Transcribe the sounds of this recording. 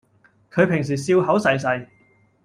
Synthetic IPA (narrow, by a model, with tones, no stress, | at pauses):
kʰɵ˨˧ɥpʰɪ˨˩ŋs̬iː˨˩siː˧wɦɐ˨˥wsɐ˨js̬ɐ˨˧j